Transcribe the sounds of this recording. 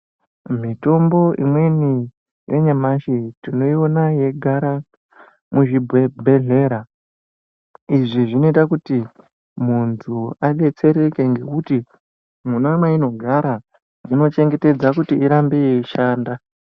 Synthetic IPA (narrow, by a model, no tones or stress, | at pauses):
mito̞mbo̞ʔḭmwe̞ni | je̞ɲamaʃitino̞io̞naje̞ɡʱaɾa | muʐibʱwebʱe̞ɮe̞ːɾa | iʐiʐino̞itakuti | muntʰuaɗe̞t͡se̞ɾe̞ke̞ŋɡe̞kuti | munamwaino̞ɡʱaɾa | ino̞t͡ʃe̞ŋɡe̞te̞d͡zakutiːɾambejeiʃaːnda